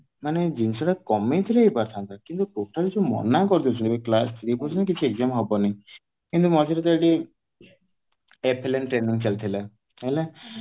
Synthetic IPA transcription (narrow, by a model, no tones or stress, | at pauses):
maned͡ʒinsɔʈakɔmet̪ʰileipaɾt̪ʰant̪akint̪ukoʈʰaɾid͡ʒumɔ̰nakɔɾit̪iot͡ʃʰɔnebeklast̪ʰɾipɔsʰɔnk̬it͡ʃʰieɡzamɦɔbɔnai | kint̪umɔd͡ʒɔɾet̪aʈi | epʰelenʈɾeniŋt͡ʃalt̪ʰila | ele